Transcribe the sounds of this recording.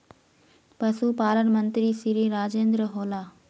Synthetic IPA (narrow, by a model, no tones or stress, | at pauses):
pɐsuːpaːlənmə̃nt̪ɾisiɾiɾaːd͡ʒẽːnd̪ɾəɦoːlaː